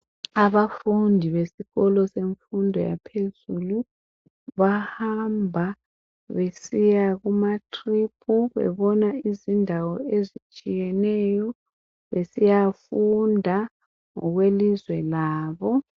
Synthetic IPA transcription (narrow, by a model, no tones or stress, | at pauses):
aβafundʱiβesiɣɔlɔseɱfundʱɔja̰pʰezulu | βahambʱa | βesijaɣumatʰʼrip̚ʼʰuβɛ̰βɔnaizindʱawɔezit͡ʃʼijɛnɛjɔ | βesijafundʱa | ŋɔ̰ɣwelizwɛlaːβɔ